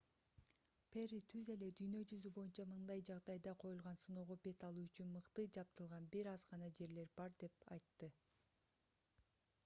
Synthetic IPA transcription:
perʲit̪ʰyze̞le̞d̪yjnø̞d͡ʒyzybo̞junt͡ʃɑmɯnd̪ɑjd͡ʒɑʁd̪ɑjd̪ɑqʰo̞julˠʁɑnsunoːʁobe̞t̪ɑlˠuːyt͡ʃynmɯqt̪ɯd͡ʒɑp̚t̪ɯlˠʁɑnbiɾɑzʁɑnɑd͡ʒe̞ɾle̞ɾbɑɾd̪e̞pɑ̰jt̪ːɯ

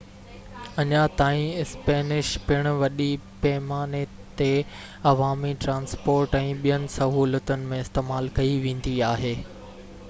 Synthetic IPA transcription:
ɐɲat̪aːĩɪspɛːnɪʃpɪɽ̃ʋɐɗipɛːmaːnet̪e | ɐʋaːmiʈɾãːnspoːɾʈɛ̃ːɓijənɪ̆sɐɦuːlət̪ənɪ̆mẽɪst̪eːmaːlkɐiʋẽːn̆d̪iaːɦeː

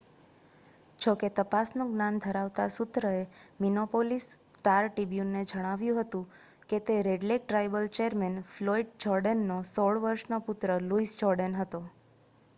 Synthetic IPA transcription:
t͡ʃʰoket̪əpasnũɡnand̪ʱəɾaʋt̪asut̪ɾəeminopolisʈaɾʈibjunːed͡ʒəɽ̃aʋjũɦət̪ũ | ket̪eɾeɖlek̚ʈɾajbəlt͡ʃeəɾmɛnfloiɖ̚d͡ʒɔɾɖənːosoɭʋəɾʃnopʊt̪ɾəluisd͡ʒɔɾɖənɦət̪o

